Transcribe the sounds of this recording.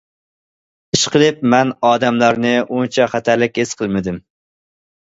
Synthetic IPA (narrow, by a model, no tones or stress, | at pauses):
iʃqəlˠɨp̚mɛnɑːd̪ɛmlɑɾnɪunt͡ʃʰɛχæt̪ʰælɪk̚ʲesqʰəlˠmɪd̪ɪm